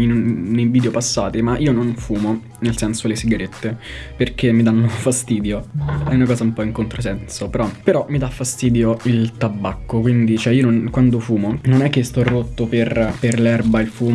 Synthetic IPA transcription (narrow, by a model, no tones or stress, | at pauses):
inunːejviːd̪eopasːa̰ːt̪imaʔiːononfuːmo | nelsɛnsolesiɡaɾet̪ːeperk̟emːid̪anːofast̪iːd̪joɛunakɔːzaumpɔiŋkont̪ɾosɛnsopeɾɔpeɾɔmːid̪afːast̪iːd̪joilt̪abːakːokwind̪it͡ʃɛiːononkwand̪ofuːmononɛk̟ːest̪ɔrːot̪ːoperperlɛrbailfuː